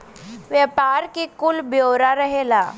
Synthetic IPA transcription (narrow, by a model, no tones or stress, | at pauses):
ʋjəpaɾkikulbjowɾaɾəɦela